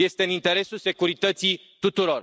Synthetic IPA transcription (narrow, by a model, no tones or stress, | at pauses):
je̞st̪e̞ɨnint̪e̞ɾe̞sulse̞kuɾit̪ət̪si | t̪ut̪uɾo̞r